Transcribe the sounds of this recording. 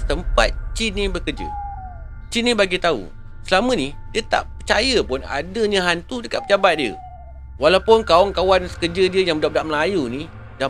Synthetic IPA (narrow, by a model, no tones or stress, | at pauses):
sə̥t̪əmpat̪̚t͡ʃinĩbəkərd͡ʒə̰ | t͡ʃinĩbaɡit̪aṵ | səlamə̃nidiət̪a̰ʔpət͡ʃajəpʊna̰dəɲə̃ɦant̪udəkat̪̚pəd͡ʒabat̪̚diə̰ | walawpʊnkaɔŋkawansə̥kəd͡ʒədiəjaŋədap̚daʔməlajuni | da